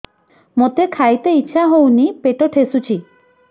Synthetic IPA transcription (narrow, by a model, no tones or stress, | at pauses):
mot̪ekʰajt̪eitːʃʰaɦownipeʈoʈʰesut͡ʃʰi